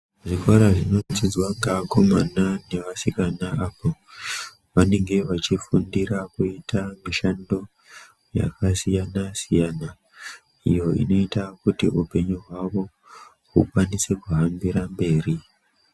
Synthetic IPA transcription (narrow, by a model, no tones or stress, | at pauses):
ʐikwaɾaʐino̞tid͡zwaŋɡako̞manane̞ʋasikanaapo | ʋane̞ŋɡe̞ʋat͡ʃifundirakuitʰamiʃando̞ | ja̰kasijanasijana | ḭjo̞ḭno̞itakutiupe̞ɲuɦwaʋo̞ | ɦṵkwanise̞kuɦambiɾambe̞ːri